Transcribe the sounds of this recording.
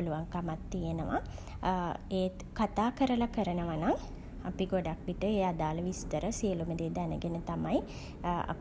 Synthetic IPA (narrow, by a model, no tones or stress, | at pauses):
uluʋaŋkamat̪ːijenəʋa̰ | eː | kat̪aːkəɾəlakəɾənəʋanaŋ | apiɡoɖakʋiʈəeːad̪aːləʋist̪əɾəsiəluməd̪eːd̪ɛnəɡenət̪amaj | a̰